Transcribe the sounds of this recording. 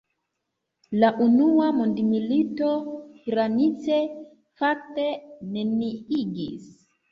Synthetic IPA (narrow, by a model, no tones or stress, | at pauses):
laʔunuwamundimilitoiɾanit͡se | fak̚teneniiɡḭs